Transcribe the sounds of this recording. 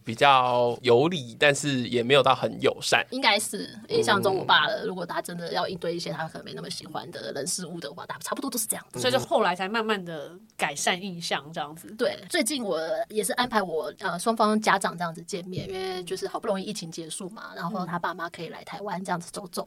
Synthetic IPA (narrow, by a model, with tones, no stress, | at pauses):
pi˨˩t͡ɕjɑ˥˩jo˧˥ʊli˨˩˦t̪a˥˧nʂɻ̩˥˩jɛ˨˩me˧˥ɪjo˨˩ʊt̪ɑ˥˩xə˧˦njo̰˨˩ʊʂa̰˥˩ni˥ŋka˥ɪʂɻ̩˥˩i˥˧ɕjɑ˥˧ŋʈ͡ʂo˥ŋwɔ˨˩pa˥˩lə̰˩ɻu˧˥kwɔ˨˩t̪ʰa˥ʈ͡ʂə˥nd̪ə˨jɑ˥˧ʊʔi˥˧nt̪we˥˧ɪi˥˩ɕjɛ˥t̪ʰa˥kʰə˨˩ə˧˦me˧˥˩na˥˩mə˧˩ɕḭ˨˩xwa̰˧˦nd̪ə̰˨lə˧˥nsɻ̩˥˧u˥˩d̪ə˩xwa̰˥˩t̪ʰa˥˩˧pu˧wto˥ʊʂ̩˥˧ʈ͡ʂɤ˧jɑ˥˩d͡z̥sɔ˧˥˨t͡ɕo˥˧ʊxo˥˩ʊla˧˥ɪt͡sʰa˧˥ɪma˥˧nma˥˩nd̪ə˩ | ka˨˩ɪʂa˥˧ni˥˧ɕjɑ˥˧ŋʈ͡ʂɤ˥˧jɑ˥˩ŋd͡zɹ̩˨˩t̪we˥˩ɪt͡swe˥˧ɪt͡ɕi˥˩nwɔ˨˩˦jɛ˨˩ʂɻ̩˥˩ʔa˥npʰa˧˥ɪwɔ˨˩ə˧ʂwɑ˥ŋfɑ˥ŋt͡ɕja˥ʈ͡ʂɑ˨˩ŋʈ͡ʂɤ˥˧jɑ˥˨ŋd͡z̩̪˩ə˩t͡ɕjɛ˥˧nmjɛ˥˩nɛ˥˩t͡ɕjo˥˧ʊʂɻ̩˥˩xpu˥˩o˧˥ŋ˥i˥˩i˥˩t͡ɕʰi˧˥ŋt͡ɕjɛ˧˥ʂu˥˩ma̰˩ɻa˧˥nxo˥˩ʊt̪ʰa˥pa˥˩ma˨kʰɤ˧˥i˨˩la̰˧˥ɪt̪ʰa˧˥ɪwa˦˥nʈ͡ʂɤ˧ɑ˥˩ŋd͡z̩˨˩t͡so˥ʊʈ͡ʂo˥˩˦ŋ